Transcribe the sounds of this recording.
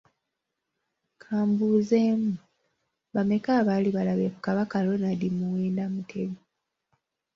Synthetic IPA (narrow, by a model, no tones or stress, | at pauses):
kʰaːmbuːze̞mu | βame̞kaːβaliβalaβekukaβakalonadimuweːndamutʰeβi